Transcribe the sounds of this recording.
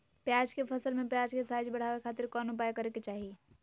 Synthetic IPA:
pjad͡ʒkepʰəsəlmẽpjad͡ʒkesaːd͡ʒbəɽ̤aʋekʰaːt̪ɪɾkɔnupajkəɾeket͡ʃaːɦi

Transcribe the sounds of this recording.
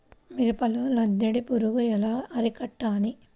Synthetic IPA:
miɾupɐlulɐd̪ːeɽipuɾuɡuɛlaːʔɐɾikɐʈːaːni

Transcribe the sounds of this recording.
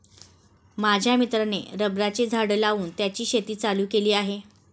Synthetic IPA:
mad͡ʑʱjamit̪ɾaneɾəbɾat͡ɕed͡zʱaɽəlauːnt̪jat͡ɕiːɕet̪iːt͡saluːkeliːaɦe

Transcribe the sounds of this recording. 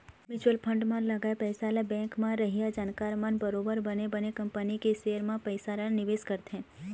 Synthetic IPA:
mɪt͡ʃuəlpʰə̃ɳɖmãləɡaepəjsalabɛ̃ŋkmãɾəɦijad͡ʒankaɾmə̃nbəɾobəɾbənebənekəmpənikeʃeəɾmãpəjsaɾənɪʋeskəɾt̪ʰẽ

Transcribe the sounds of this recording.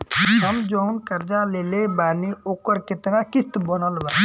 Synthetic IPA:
ɦəmd͡ʒoʊnkəɾd͡ʒaleːlebaːneoːkəɾkɪt̪nakɪst̪bənəlʋa

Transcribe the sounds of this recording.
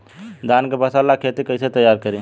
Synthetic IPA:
d̪aːnkebɐsaːlakʰeːt̪ikəɪset̪ɐjːaːɾkəɾiː

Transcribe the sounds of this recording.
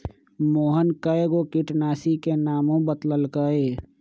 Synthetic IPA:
moːɦənkəjɡokɪʈnaːsikenaːmõbət̪ləlkəeː

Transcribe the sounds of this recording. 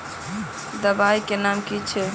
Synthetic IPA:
d̪əbajkenamkit͡ʃʰ

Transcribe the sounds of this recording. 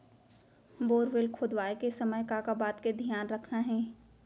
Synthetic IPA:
boːɾʋɪlkʰʊd̪ʋaːjkesɐməjkakabaːt̪ked̪ʱijaːnɾɐkʰnaɦɛ̃ː

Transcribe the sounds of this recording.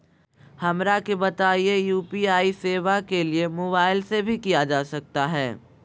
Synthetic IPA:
hɐmɾakebɐt̪aːiejuːpiaːiseːʋakeliemoːbaːɪlsebʱikijad͡ʒaːsɐk̚t̪aɦɛ̰ː

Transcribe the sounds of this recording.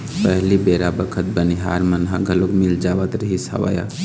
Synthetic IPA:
pəɦlibeɾabəkʰət̪̚bəniɦa̰ɾmənɦãɡʱəlokmild͡ʒaʋət̪ɾəɦisə̰ʋə̰ja̰

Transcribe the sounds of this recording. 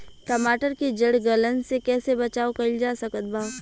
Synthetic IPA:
kɐmaːʈəɾkid͡ʒɐɽɡɐlənsekɛːsebɐt͡ʃaːokɐld͡ʒaːsɐkət̪̚baː

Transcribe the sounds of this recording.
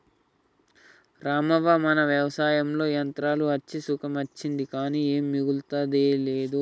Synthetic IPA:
ɾaːmɐʋɐmɐnɐʋjɐʋɐsaːjɐmlo̞ːjɐnt̪ɾaːluɐt͡ʃːisukʰɐmɐt͡ʃːind̪ikaːniːeːmːiɡult̪ɐd̪eːleːd̪u

